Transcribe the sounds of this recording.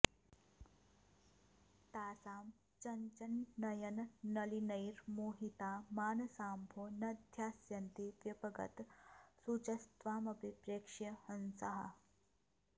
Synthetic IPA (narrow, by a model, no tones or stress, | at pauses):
t̪aːsaːm | t͡ʃɐɲt͡ʃɐnːɐjɐnːɐlinɐjɾmoːɦit̪aːmaːnɐsaːmbʱoːnɐd̪ʱjaːsjɐnt̪iʋjɐpɐɡɐ̰t̪sut͡ʃɐst̪ʋaːmɐbipɾeːkʂjɐhɐnsɐɦɐ̰